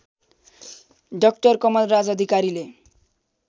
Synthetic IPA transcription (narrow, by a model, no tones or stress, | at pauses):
ɖʌk̚ʈʌɾkɔmʌlɾad͡zʌd̪ʱikaɾile